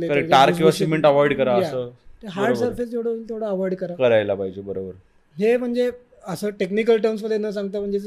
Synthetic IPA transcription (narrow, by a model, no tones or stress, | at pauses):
lekəɾeʈaɾiʋəsimeɳʈəʋɔjɽkəɾaəjasəːəɦaɾɖsəɾfesd͡ʑewɽəilt̪ʰeʋɽaəʋɔjɖkəɾakəɾajlapaɦid͡ʑebəɾobəɾ | ɦem̤əɳd͡ze | əsəːʈeknikəlʈəɾms̬ʋəd̪enːəsãŋɡ̚t̪əm̤əɳd͡ze